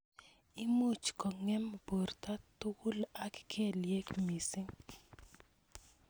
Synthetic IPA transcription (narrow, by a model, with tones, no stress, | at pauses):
i˦mu˦˨t͡ʃkɔ˨ŋɛ˦m˨bo˨rt̪a˦t̪ʊ˦wu˦la˦kkʰe˦lje˦kmi˨sɪ˦ŋ